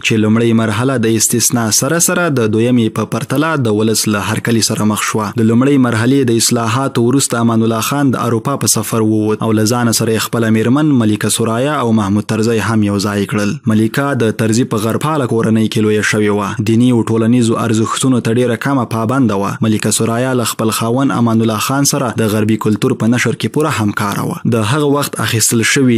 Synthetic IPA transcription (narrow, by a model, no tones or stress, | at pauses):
t͡ʃelumɽəjmaɾɦalad̪əɪst̪ɪsnɑsaɾasaɾad̪əd̪ojamepəpaɾt̪alad̪əwʊləslaɦaɾkalisaɾaməxʃwad̪əlumɽəjmaɾɦaled̪əɪslɑɦɑt̪owɾust̪aːmɑnʊlːɑxɑnd̪ə̰a̰ɾupɑpəsafaɾwəwod̪̚a̰wlazɑnasaɾajexpəlameɾmanmalikasʊɾɑjɑːwmahmud̪̚t̪aɾzajɦamjawzɑjkɽəlmalikɑd̪ət̪aɾzipəɣaɾpʰɑlakoɾanəjkelojaʃəwewad̪inioʈolanizoʔa̰ɾzəxt̪unot̪aɖeɾakamapɑband̪awa̰malikasʊɾɑjɑlaxpəlxɑwana̰mɑnʊlːɑxɑnsaɾad̪əɣaɾbikʊlt̪uɾpənaʃəɾkepuɾahamkɑɾa̰wa̰d̪əɦaɣawaxt̪a̰xist̪əlʃəwi